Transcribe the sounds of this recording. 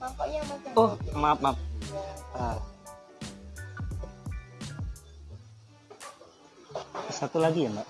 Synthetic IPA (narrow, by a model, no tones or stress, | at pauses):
ohmap̚map̚ | ɾa | sat̪ulaɡijambaʔ